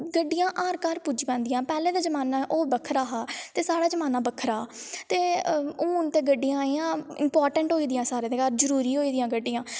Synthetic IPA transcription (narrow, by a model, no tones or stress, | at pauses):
ɡəɖːɪjãːʔaːɾkaːɾpud͡ʒpɛ̃ːnd̪ɪjãːpɛːlẽːd̪aːd͡ʒəmaːnaːʔoːbəkʰəɾaːɦaːt̪eːsaːɽaːd͡ʒəmaːnaːbəkʰəɾaːt̪eːũːʊnt̪eːɡəɖːɪjãːaːiːãːɪ̰mpaːɾʈə̃ɳʈɦoːiːd̪ɪjãːsaːɾeːd̪eːkaɾzəɾuːɾiːɦoːiːd̪ɪjãːɡəɖːɪjãː